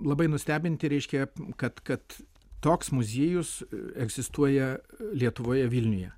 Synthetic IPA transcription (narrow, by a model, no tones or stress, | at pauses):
lˠɐbɐɪnʊsʲt̪ʲæːbʲɪnʲt̪ʲɪɾʲɛɪʃʲkʲɛkɐt̪kɐt̪ː | oːksmʊzʲeːjʊsɛɡzʲɪst̪uɔjɛlʲiɛt̪ʊʋoːjɛʋʲilʲnʲʊjɛ